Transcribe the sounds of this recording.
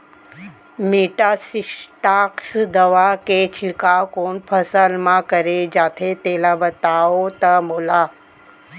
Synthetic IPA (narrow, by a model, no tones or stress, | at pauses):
meʈasisʈaksd̪əʋaket͡ʃʰikakoɳpʰəsəlmãkəɾed͡ʒaːt̪ʰet̪elabət̪aot̪əmoːla